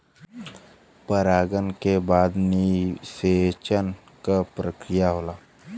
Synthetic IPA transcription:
pəɾaːɡənkebaːd̪niset͡ʃən | kapɾəkɾijaɦoːlaː

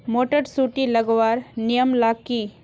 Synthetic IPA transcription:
moːʈəɾsuːʈilɐɡʋaːɾnijəmlaːkːi

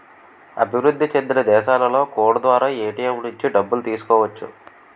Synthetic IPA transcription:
ɐ̰bʱiʋɾud̪ʱːit͡ʃend̪ilɐd̪ɛːʃaːlɐlo̞ːkoːɽud̪ʋaːɾaːeːʈijɐmnuɲt͡ʃiɖɐbːulut̪iːsu̥kɔːʋɐt͡ʃːṵ

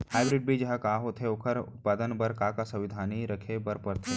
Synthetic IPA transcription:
haːɪbɾɪɖ̚bʱid͡ʒɐɦãkaːɦot̪ʰeʊkʰəɾʊ̰t̪̚paːd̪ənbɐɾkaːkasɐʋɪd̪ʱaːniɾɐkʰebɐɾpɐɾt̪ʰe

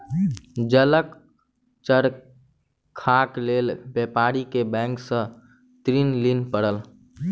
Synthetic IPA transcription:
d͡ʒələk | t͡ʃəɾ | kʰaːkleːlbepaːɾikebɛ̃ːŋksə̃ | t̪ɾinlinpəɽəl

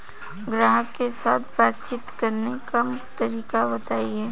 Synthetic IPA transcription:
ɡɾaːɦəkːesaːt̪ʰbaːt̪t͡ʃɪt̪kɐɾnekamt̪ɐɾiːkabɐt̪aːiɦɛː

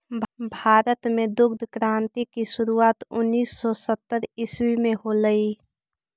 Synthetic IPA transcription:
bʱaːɾət̪mẽd̪ʊɡd̪ʱkɾaːnt̪ikisʊɾuaːt̪ʊnːiːsːɔsət̪ːəɾɪswimẽɦoləi

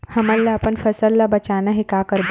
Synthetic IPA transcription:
hɐmalːaːpənfɐsəlːabɐt͡ɕanəɦikakəɾb

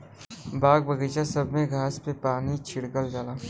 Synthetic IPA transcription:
baːɡ̚bɐɡəːt͡ʃasɐbʱmẽɡʱaːspepaːnit͡ʃʰɪɽkəld͡ʒaːlaː

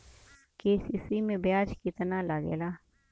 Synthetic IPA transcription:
keːsisimẽbjaːd͡ʒkɪt̪nalɐɡḛːlaː

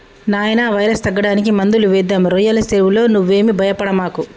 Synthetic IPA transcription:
naːjɐnaːʋɐjɾɐst̪ɐɡːɐɽaːnikimɐnd̪uluʋɛːd̪ːaːmɾɔjɐlɐseːʋulo̞ːnuʋːe̞ːmibʱɐjɐpɐɽɐmaːku

